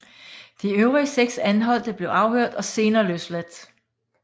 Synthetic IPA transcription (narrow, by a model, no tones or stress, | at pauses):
d̥iøʊʁiəseɡ̥sænɦɒ̽l̰d̥əb̥le̝ʊɑ̈ʊhøɐ̰d̥ɒ̽se̝ːnɐːløslæd̥